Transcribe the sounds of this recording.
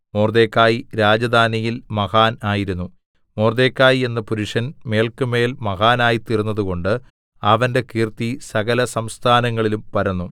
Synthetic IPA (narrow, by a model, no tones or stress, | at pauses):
moːrd̪e̞ːkːaːjiɾaːd͡ʑɐd̪ʱaːnijilmɐɣaːnaːjiɾunːu | moːrd̪e̞ːkːaːjie̞nːɐpuɾuʂɐnme̞ːlkɨme̞ːlmɐɣaːnaːjit̪irunːɐðuko̞ɳɖɨ | ɐʋɐnde̞kiːrt̪isɐɣɐlɐsɐmst̪ʰaːnɐŋːɐɭilumpɐɾɐnːu